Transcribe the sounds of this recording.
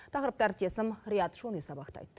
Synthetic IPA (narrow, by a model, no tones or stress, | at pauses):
t̪ʰɑqɾəp̚t̪ɑɾt̪ʰesɪmɾijɑt̪ʃunisɑbɑqt̪ɑ̰jt̪